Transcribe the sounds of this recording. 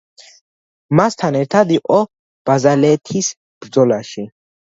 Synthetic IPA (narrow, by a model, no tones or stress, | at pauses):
mast̪ʰanɛɾt̪ʰad̪iqʼɔ | b̥azalɛːt̪ʰis | b̥ɾd̪zɔlaʃi